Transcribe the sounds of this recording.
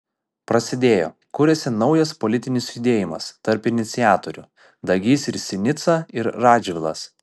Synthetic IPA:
pɾɐsʲɪd̪ʲeːjo̰ː | kuːɾʲɛsʲɪnɒʊjɐspolʲɪt̪ʲɪnʲɪsjʊd̪ʲeːjɪmɐ̰st̪ɐɾpɪnʲɪt̪sʲɪjæːt̪oɾʲʊ | d̪ɐɡʲiːsɪɾsʲɪnʲɪt̪sɐɪɾɾɑːd͡ʒʲʋʲɪlˠɐ̰s

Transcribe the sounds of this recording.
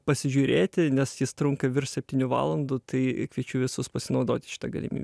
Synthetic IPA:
pɐsʲɪʒʲuːɾʲeːt̪ʲɪnʲɛsjɪst̪ɾʊŋkɐʋʲɪrʃsʲɛp̚ʲt̪ʲiːnʲuʋɑ̰ːlˠɐnd̪ʊt̪ɐɪkʋʲiɛt͡ʃʲʊʋʲɪsʊspɐsʲɪnɐʊd̪oːt̪ʲɪ̥ʃʲɪ̥t̪ɐɡɐlʲɪ̰mʲḭbʲɛ

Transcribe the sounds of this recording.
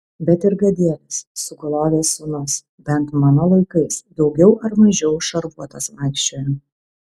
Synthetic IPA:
bʲɛt̪ɪɾɡɐd̪ʲiɛt̪ʲɐsːʊɡɐlˠoːʋʲeːsʊnʊs | bʲɛnt̪mɐnoːlˠɐɪkɐɪsd̪ɒʊɡʲɛʊʔɐɾmɐʒʲɛʊʃɐɾbuɔt̪ɐsʋɑˑɪkʃʲt͡ʃʲoːjɛ

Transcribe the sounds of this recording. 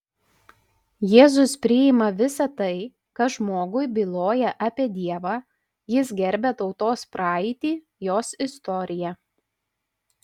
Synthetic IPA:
jeːzʊspʲɾʲɪɪmɐʋʲɪsɐt̪ɐɪ | kɐʒmoːɡʊɪbʲilˠoːjɛʔɑpʲeɛd̪ʲiɛʋɑː | jɪs̬ɡʲɛɾʲbʲet̪ɒʊt̪oːspɾʔɑːɪt̪ʲiː | joːsɪst̪ɔɾʲɪjɛ

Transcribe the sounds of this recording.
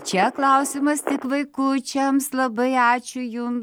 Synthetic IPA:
t͡ʃʲɛklˠɑʊsʲɪmɐst̪ʲɪkʋɐɪkut͡ʃʲɛmslˠɐbɐɪɑːt͡ʃʲʊjʊm

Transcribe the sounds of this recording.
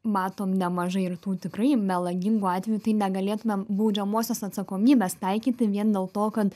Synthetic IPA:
mɑːt̪oːmnʲɛmɐʒɐɪɪrt̪uːt̪ʲɪkrɐɪmʲɛlˠɐɡʲɪŋɡuːɑːt̪ʲʋʲɛjut̪ɐɪnʲɛɡɐlʲeːt̪ʊmʲɛmbɐʊd͡ʒʲɛmoːsʲosɐt̪sɐkoːmʲiːbʲeːst̪ɐɪkʲiːt̪ʲɪʋʲiɛnd̪ʲeːlˠt̪oːkɐt̪

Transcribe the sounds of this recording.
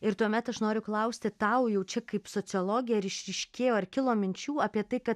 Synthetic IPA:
ɪɾt̪uɔmʲɛt̪ɐʃnoːɾʲʊklˠɐʊsʲt̪ʲɪt̪ɐʊjɛʊt͡ʃʲɛkɐɪpsoːt͡ssʲɪɔlˠoːɡʲɪjɛɾɪʃʲɾʲɪʃʲkʲeːjoːɐrkʲɪlˠoːmʲɪnʲt͡ʃʲuːɑpʲiɛt̪ɐɪkɐt̪

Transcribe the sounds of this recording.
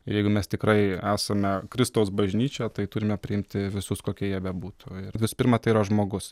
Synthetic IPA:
jɛɪɡʊmʲɛst̪ʲɪkɾɐɪæːsɐmʲɛkɾʲɪst̪ɐʊsbɐʒʲnʲiːt͡ʃʲɛt̪ɐɪt̪ʊːɾʲɪmʲɛpʲɾʲɪɪmʲt̪ʲɪʋʲɪsʊskoːkʲiɛjiɛbʲɛbuːt̪ʊɪrʋʲɪsʊ̥pʲɪɾmɑt̪ɐɪiːɾɐʒmoːɡʊs

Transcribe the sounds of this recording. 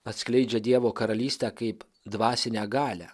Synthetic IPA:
ɐt̪ʲsʲklʲɛɪd͡ʒʲɛd̪ʲiɛʋoːkɐɾɐlʲiːsʲt̪ʲækɐɪp | d̪ʋɑːsʲɪnʲæːɡɑːlʲæ

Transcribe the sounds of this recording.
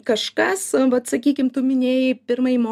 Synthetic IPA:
kɐʃkɐsʋɐt̪sɐkʲiːkʲɪmt̪ʊmʲɪnʲeːjɪpʲɪrmɐjɪmoː

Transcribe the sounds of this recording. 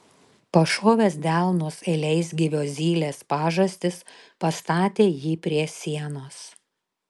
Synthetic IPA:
pɐʃoːʋʲeːsd̪ʲælˠnoːselʲɛɪs̬ɡʲɪʋʲoːzʲiːlʲeːspɑːʒɐsʲt̪ʲɪspɐst̪ɑːt̪ʲeːjiːpʲɾʲiɛsʲiɛnoːs

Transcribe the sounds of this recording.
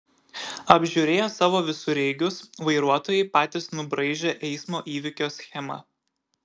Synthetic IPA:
ɐbʲʒʲʊɾʲeːjoːsɑːʋoːʋʲɪsʊɾʲɛɪɡʲʊsʋɐɪɾuɔt̪oːjɛɪpɑːt̪ʲɪsnʊbɾɐɪʒʲeːʔɛɪsmoːʔiːʋʲɪkʲoːsʲxʲɛmɐ̰

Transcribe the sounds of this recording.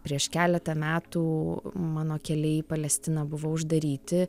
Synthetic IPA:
pʲɾʲiɛʃkʲæːlʲɛt̪ɐmʲæːt̪uːmɑːnoːkʲɛlʲɛipɐlʲɛsʲt̪ʲɪnɐbʊʋoːʊʒd̪ɐɾʲiːt̪ʲɪ

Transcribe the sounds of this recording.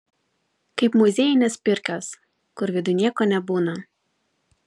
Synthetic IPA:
kɐɪpmʊzʲeːjɪnʲeːspʲɪɾʲkʲos | kʊɾʋʲɪd̪ʊnʲiɛkoːnʲɛbuːnɐ

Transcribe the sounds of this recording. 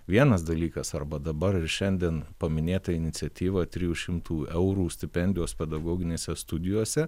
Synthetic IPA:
ʋʲiɛnɐs̬d̪ɐlʲiːkɐsɐɾbɐd̪ɐbɐɾɪɾʃʲɛnʲd̪ʲiɛnpɐmʲɪnʲeːt̪ɐɪnʲɪt̪sʲɛt̪ʲiːʋɐt̪ʲɾʲɪjuːʃʲɪmt̪ʰuːɛʊɾuːsʲt̪ʲɪpʲɛnʲd̪ʲɪjoːspʲɛd̪ɐɡoːɡʲɪnʲeːsʲɛst̪ʊd̪ʲɪjoːsʲɛ

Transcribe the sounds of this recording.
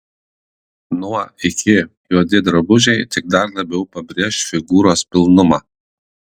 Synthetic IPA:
nuɐɪkʲʰɪjuɔd̪ʲɪd̪ɾɐbʊʒʲɛɪt̪ʲɪk̚d̪ɐɾlˠɐbʲɛʊpɐbʲɾʲiɛʃfʲɪɡuːɾoːspʲɪlˠnʊmɑː

